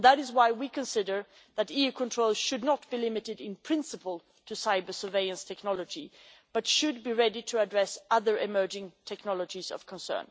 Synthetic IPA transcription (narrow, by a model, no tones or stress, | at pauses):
ðəɾɨzwaɪwikʰɨ̃nsɪdə˞ | ðɨɾiʉkʰə̃ntʰɹ̥oʊlˠz̥ʃɨdⁿnət̚b̥ilɪmɨɾɨɾɪ̃npʰɹ̥ɪ̃nsɨpəl̩ˠ | tʰɨsaɪbə˞sə˞veɪɨ̃nstʰɛknɑlˠəd͡ʒib̥ʌtʃɨd̚biɹɛɾiɾɨədɹɛsʌðə˞ʔɪmɜ˞d͡ʒɪ̃ŋtʰɛknɑlˠəd͡ʒizʌ̰v̥kʰə̃nsɜ̰̃˞n